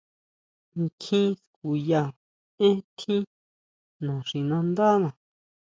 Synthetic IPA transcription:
ŋ˨kʰĩ˦sku˨ja˧ | ẽ˦t̪ʰĩ˦ | nã˨ʂĩ˨nã˧nd̪a˦nã˨

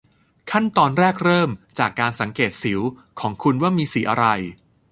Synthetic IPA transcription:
kʰa˥˩nt̪ɔː˧nɾɛː˥˩k̚ɾɤː˥˩mt͡ɕaː˨˩kːaː˧nsa˩˦ŋkeː˨˩t̪̚si˩˦w | kʰɔː˩˦ŋkʰu˧nwaː˥˩miː˧siː˨˩˦ʔa̰˧ɾa˧j

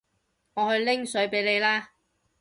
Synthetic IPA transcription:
ŋɔː˨˧hɵ˧ɥlɪ˥ŋsɵ˨˥ɥpe˨˥jle˨˧jlaː˥

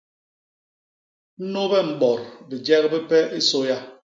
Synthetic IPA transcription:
n̩˦no˦bɛ˦m̩˨ɓɔ˨ɾbi˨d͡ʒɛ˦ɣbi˦pɛ˦ʔi˦so˦ja˦

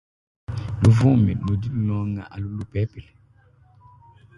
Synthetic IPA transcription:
lu˨vɔ̃˦˨me˨lo˨di˦lu˦lɔ̃ː˦ŋa̰˨ʔa˨lu˦lu˦pɛ˨˦pe˨

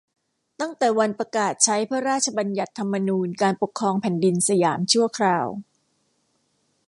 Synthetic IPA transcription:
t̪a˥˩ŋt̪ɛː˨˩wa˧npɾa˧kaː˨˩t̪̚t͡ɕʰa˦˥jpʰɯ˥˩ɐɾaː˥˩t̪̚t͡ɕʰa˧ba˧nja˨˩t̪ʰːa˧mːa˧nuː˧nkaː˧npo˨˩kʰːɾɔː˧ŋpʰɛ˨˩ndi˧nsa˧jaː˩˦mt͡ɕʰu˥˩ɐkʰɾaː˧w

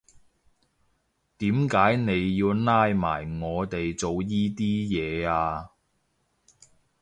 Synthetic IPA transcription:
t̪iː˨˥mkaː˨˥jne˨˧jːiː˧wnaː˧˥jma̰ː˨˩jŋɔː˨˧t̪e˨jt͡so˨wjiː˥t̪iː˥jɛː˨˧aː˧

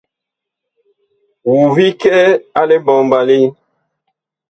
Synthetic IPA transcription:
wu˨vi˦kɛ˦a˦le˦bɔ˨mba˨li˦

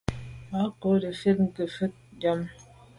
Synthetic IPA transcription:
ba˨˦ko˨˦də˨fe˦t̚ŋ̩˦˨kə˨fə˦t̚d͡ʒa˦m

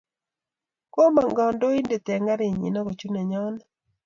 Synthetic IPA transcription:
ko˦ma˨ŋɡɔ˨ndo˦i˦nde˨tɛ˨ŋa˦ɾɪ˨ɲḭ˨nɔ˦ko˨t͡ʃu˦nɛ˨ɲɔ˦n

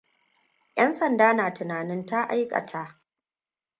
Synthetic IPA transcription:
jɐ˦nsɐ˨ndaː˦naː˨tʊ˨naː˨nɪ˦nta˦ʔa˦jkʼɐ̰˨tʰa˦ʔ

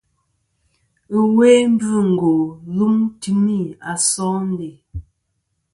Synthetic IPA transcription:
ə˦˨we˦m̩˦bʉ˦˨ŋ̩˨ɡo˨ɣu˦mti˦mi˦˨a˨sɔ̃ː˦n˦de˨

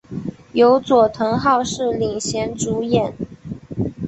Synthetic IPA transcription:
jo˧˥ʊt͡swɔ˨˩t̪ʰɤ˧˥ŋxɑ˥˧ʊʂɻ̩˥˩li˨˩ŋɕjɛ˧˥nʈ͡ʂu˧˥jɛ˨˩˦n

